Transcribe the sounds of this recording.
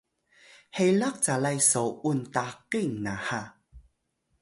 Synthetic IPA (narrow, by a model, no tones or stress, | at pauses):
hejlaq̚t͡salajsowuntaqiŋnaha